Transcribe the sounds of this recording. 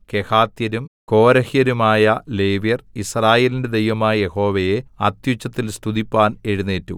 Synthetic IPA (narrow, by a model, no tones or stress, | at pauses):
ke̞haːt̪jɐɾumko̞ːɾɐhjɐɾumaːjɐleːʋjɐrisraːjeːlinde̞d̪ejʋɐmaːjɐje̞ho̞ːʋejeɐt̪jut͡ɕːɐt̪ːilst̪ʰud̪ipːaːneɻunːeːtːṵ